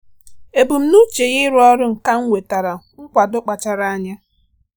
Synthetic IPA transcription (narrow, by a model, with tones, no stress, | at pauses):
e˨bu˨m̩˦nu˦t͡ʃe˨ɣɪ˦ɾʊ˦ɔ˦ɾʊ˦ŋ̩˨ka˦ŋ̩˦ŋʷe˨ta˨ɾa˨ | ŋ̩˦kʷa˨dʊ˦k͡pa˨t͡ʃa˨ɾa˨a˦ɲa˦